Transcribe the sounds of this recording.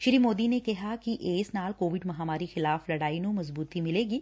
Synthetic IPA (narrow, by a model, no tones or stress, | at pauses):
ʃɪɾiːmoːd̪inekɐɦakiʔeːsnaːlkoːʋɪɖmɐɦaːmaːɾixɪlaːflɐɽaːinũmɐzbuːt̪imɪleːɡiː